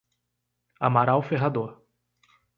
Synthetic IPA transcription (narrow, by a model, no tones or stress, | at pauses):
a̰maɾawfeɦad̪oɾ